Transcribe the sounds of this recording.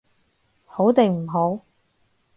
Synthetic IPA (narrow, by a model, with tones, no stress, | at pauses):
ho˨˥wt̪e˨˩ŋm̩˨˩ɦo˨˥w